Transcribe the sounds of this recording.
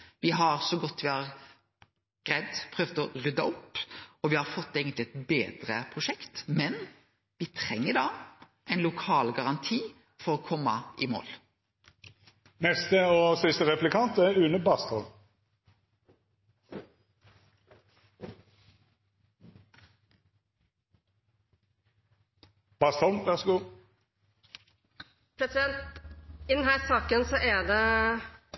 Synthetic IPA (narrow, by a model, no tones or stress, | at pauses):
ʋɪɦɑʁsɔɡɔt̪ːʋɪhɑʁ | ɡ̥ʁɛd̪pʰɾøːʋd̪ɔʁʏd̪ɑʊpːɔʋɪhɑɾfɔt̪ːeːɡənt̪lɪɛt̪beːd̪ɾəpʰʁʊʃɛkt̪mɛn | ʋɪt̪ʰʁɛŋːəɖ̪ɑː | ʔɛɪnlʊkʰɑːlɡɑʁɑnt̪ʰiː | fɔɾɔkʰɔmːɑʔɪmo̰ːl | nɛst̪əoːsɪst̪əʁɛplɪkʰɑnt̪æʁʉnəbɑst̪ɔl | b̥ɑst̪ɔlmʋæʁsɡuː | pʰɾɛsɪd̪ɛnt̪ɪd̪ɛnɦæːɾsɑːkənsɔʔæd̪ɛ